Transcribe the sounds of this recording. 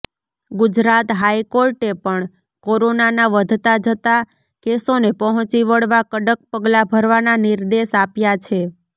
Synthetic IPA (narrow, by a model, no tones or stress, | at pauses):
ɡʊd͡ʒɾat̪ɦajkoɾʈepəɳ | koɾonanaʋəd̪ʱt̪ad͡ʒət̪a | kesonepəɦt͡ʃiʋəɭʋakəɖək̚pəɡlabʱəɾʋananɪɾd̪eʃapjat͡ʃʰe